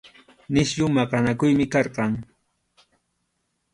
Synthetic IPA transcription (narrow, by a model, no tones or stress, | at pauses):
nɪʃʎʊmɑɢɑnakʊjmɪkɑɾqɑŋ